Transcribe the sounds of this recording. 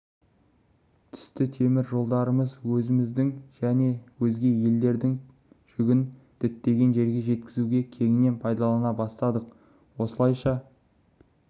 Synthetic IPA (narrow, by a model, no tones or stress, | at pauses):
t̪ʰʏ̥st̪ɪt̪ʰe̞mɪɾʒo̞lˠd̪ɑɾəməzwɵzɪmɪzd̪ɪŋʒ̥æne̞wɵzɡʲe̞je̞ld̪e̞ɾd̪ɪŋ | ʒ̥ʏɡʲɪnd̪̥ɪt̪ːe̞ɡʲe̞nʒe̞ɾɡʲe̞ʒe̞t̪kʲɪzuɡʲe̞kʲʰe̞ŋɪnːe̞npʰɑjd̪ɑlˠɑnɑbɑst̪ɑd̪əq̚ | wo̞səlˠɑjʃɑ